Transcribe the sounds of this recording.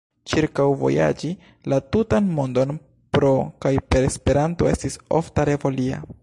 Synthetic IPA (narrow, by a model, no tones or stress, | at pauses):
t͡ʃiɾkawvo̞̰ja̰d͡ʒi | latutanmondo̞n | pɾo̞kajpe̞ɾe̞spe̞ɾanto̞e̞stiso̰ftaɾe̞vo̞lia̰